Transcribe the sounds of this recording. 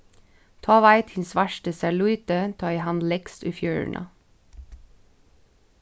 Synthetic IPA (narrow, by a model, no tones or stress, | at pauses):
t̪ʰɑːʋæɪt̪hɪnsʋæʃʈəsæɭʉʏt̪ət̪ʰɑːihɑnlɛɡ̥st̪y̰ːfjø̰ːɹ̰ɳʔɑ̰